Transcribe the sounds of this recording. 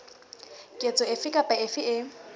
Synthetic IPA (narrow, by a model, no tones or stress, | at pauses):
kʼet͡sʼɔɪfɪkʼapʼaɪfɪʔɪ